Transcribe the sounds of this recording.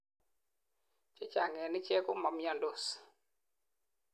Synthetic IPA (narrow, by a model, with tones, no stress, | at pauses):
t͡ʃɛ˦t͡ʃa˨ŋɛ˨nɪ˦t͡ʃɛ˦kʊ˦ma˨mjɔ˨ndo˨s